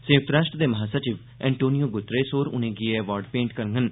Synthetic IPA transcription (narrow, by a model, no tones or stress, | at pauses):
sẽʊkt̪ɾaːʃʈɾəd̪eːməɦaːsat͡ʃɪʋ | ɛ̃ːɳʈoːnijoːɡʊt̪ɾeːsoːɾʊ̰nẽːɡieɛʋaːɾɖpẽːɳʈkəɾŋɡən